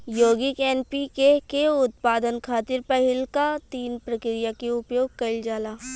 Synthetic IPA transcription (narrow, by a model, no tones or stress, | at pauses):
joːɡɪkɛːnpikekeʊt̪paːd̪ənkʰaːt̪ɪɾpɐɦɪlkat̪iːnpɾɐkɾijakeʊpjoːɡ̚kɐɪld͡ʒaːlaː